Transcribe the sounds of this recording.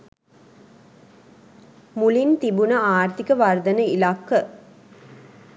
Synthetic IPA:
mulint̪ibunəaːrt̪ikəʋard̪ənəilakːə

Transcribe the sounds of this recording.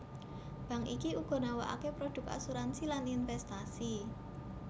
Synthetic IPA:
b̥ä̤ŋḭkiuɡ̥ɔ̤nawaʔa̰kepɾod̪̥ʊ̤ka̰suɾansilaninfɛst̪asi

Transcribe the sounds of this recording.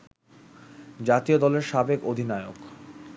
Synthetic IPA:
d͡ʑat̪iod̪ɔleɾʃabekod̪ʱinaeok

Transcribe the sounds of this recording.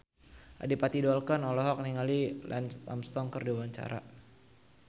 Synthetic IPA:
ʔa̰dipat̪idɔlkanɔlɔɦɔk̚niŋalilʔɛ̰nst̪a̰mst̪ɔŋkərdiwaɲt͡ʃa̰ɾa̰

